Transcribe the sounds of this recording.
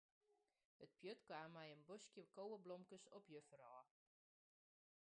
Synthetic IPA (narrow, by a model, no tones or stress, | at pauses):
ət̚pjøtkwaːmːɛjənbɔskjəkowəblɔmkəsɔpjəfərɑː